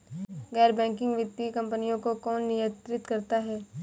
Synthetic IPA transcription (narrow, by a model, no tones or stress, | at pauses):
ɡɛːɾbɛ̃ːŋkɪ̃ŋɡʋɪt̪ːikɐ̃mpənijõkokɔːnːɪjə̃t̪ɾɪt̪kɐɾt̪aɦɛː